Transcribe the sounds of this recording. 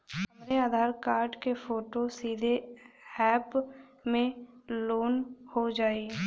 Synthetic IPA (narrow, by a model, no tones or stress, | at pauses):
ɦɐmɾeaːd̪ʱaːɾkaːɾɖkepʰoːʈosiːd̪ʱeɛːp | mẽloːnhod͡ʒaːi